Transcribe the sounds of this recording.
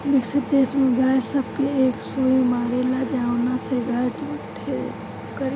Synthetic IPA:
bɪkset̪eːsmẽɡʱaːɾsɐb̚keeːksoːjimaːɾelad͡ʒawnaseɡaːɾt̪ːkʈʰe | kɐɾ

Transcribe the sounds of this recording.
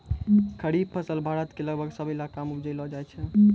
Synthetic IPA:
kʰəɽib̚pʰəsəlbʱaɾət̪keləɡbʱəɡsəbʱilakamupd͡ʒəlɔd͡ʒajt͡ʃʰɛ

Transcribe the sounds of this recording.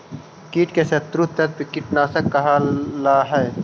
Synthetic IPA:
kiːʈkesɐt̪ɾut̪ːɐt̪̚pikɪʈnaːsɐkːɐɦalaːɦɛː

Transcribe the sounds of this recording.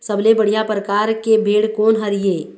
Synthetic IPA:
səblebəɽijapɾəkaːɾkebʱeːɽkoːnɦəɾijeː

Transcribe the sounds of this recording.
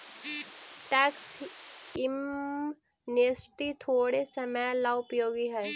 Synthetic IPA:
ʈɛːks | ɪm | nest̪it̪ʰoːɽesɐməlaʊpjoːɡiɦɛː

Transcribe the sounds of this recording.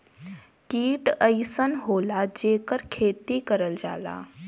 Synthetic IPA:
kiːʈəɪsənɦoːlad͡ʒeːkəɾkʰeːt̪ikəɾəld͡ʒa̰ːla̰ː

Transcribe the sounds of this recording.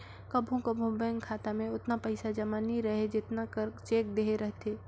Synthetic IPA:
kɐbʱũkɐbʱʊ̃bɛːŋɡkʰːaːt̪amẽʊt̪napɐɪsad͡ʒɐmanĩɾɐɦed͡ʒɪt̪nakəɾt͡ʃeːk̚d̪eːɦeɾɐɦt̪ʰeː

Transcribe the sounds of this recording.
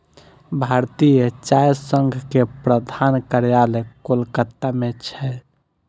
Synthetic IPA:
bʱaɾt̪ijət͡ʃajsəŋɡʱkepɾəd̪ʱankəɾjalekolkət̪ːamet͡ʃʰɛ

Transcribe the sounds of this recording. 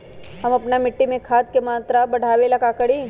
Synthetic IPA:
ɦɐmɐpnamɪʈːimẽkʰaːt̪̚kemaːt̪ɾabɐɽ̤ʱaːwelɐɡakɐɽiː

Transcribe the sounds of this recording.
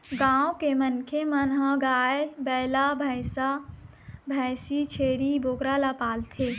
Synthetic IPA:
ɡãwkemənkʰemənɦəɡaebɛlabʱəɪsa | bʱəsit͡ʃʰeɾibʱoːkɾalapaːlt̪ʰe

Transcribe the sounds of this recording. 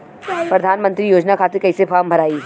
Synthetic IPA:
pɾɐd̪ʱaːnmə̃nt̪ɾijoːd͡ʒnakʰaːt̪ekɐisefʰaːmbʱɐɾaːi

